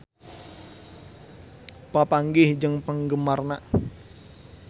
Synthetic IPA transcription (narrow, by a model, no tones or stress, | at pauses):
papaŋɡɪhd͡ʒəŋpəŋɡəmarnaʔ